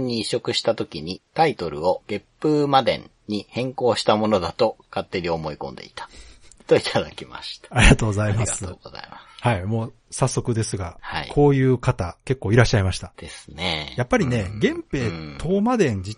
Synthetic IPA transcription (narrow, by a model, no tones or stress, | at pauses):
ɲ̟ːiːɕo̞kɯ̟ɕi̥t̪at̪o̞kʲiɲ̟it̪ait̪o̞ɾɯ̟̰o̞ɡ̥e̞ppːɯːmad̪ẽ̞̰ɲ | ɲːihẽ̞ŋko̞ːɕi̥t̪amo̞no̞d̪at̪o̞kat̪ːe̞ɾʲio̞mo̞ikõ̞nd̪e̞̰it̪ḁt̪o̞it̪ʰad̪akʲima̰ɕi̥t̪ḁaɾʲiɡat̪oːɡozaimasɨoːɡoza̰imḁhaimo̞ː | sasːo̞kɯ̟d̪e̞sɨɡahaḭkʰo̞ːjɯ̟ːkat̪ake̞kːo̞ːiɾaɕːaimaɕi̥t̪ad̪̥e̞sɨ̥nḛjapːaɾʲine̞ɡẽ̞mpe̞ːt̪ʰo̞ːmad̪ẽ̞ɲ̟d͡ʑi